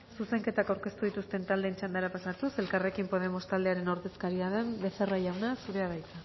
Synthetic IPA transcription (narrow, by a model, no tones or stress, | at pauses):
suse̞ŋke̞t̪akawɾke̞st̪uð̞it̪ust̪e̞nt̪ald̪eːnt͡ʃand̪eɾapasat̪use̞lkare̞kimpo̞ð̞e̞mo̞st̪ald̪e̞aɾe̞no̞ɾðe̞skaɾiaðe̞mbe̞seraʎawnasuɾe̞aβajt̪a